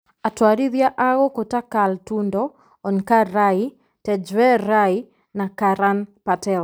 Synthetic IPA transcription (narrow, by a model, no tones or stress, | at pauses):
atwaɾiðjaʔaɣɔkɔtakaltundɔ | ɔnkaɾai | tɛd͡ʒwɛɾai | nakaɾanpatɛl